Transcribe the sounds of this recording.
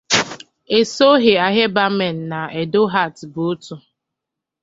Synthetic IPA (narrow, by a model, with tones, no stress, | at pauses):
e˨so˦ɦɪ˨a˨ɦe˦ba˦me˨n̩˨na˨e˨dʊ˦ɦa˦˨tbʊ˨˦tu˨